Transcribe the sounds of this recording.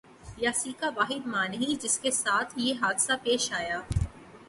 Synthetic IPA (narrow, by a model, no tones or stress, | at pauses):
jaːsiːkaʋaːɦɪd̪maːnɦĩd͡ʒɪskesaːt̪ʰjeɦaːd̪sapeːʃaːjaː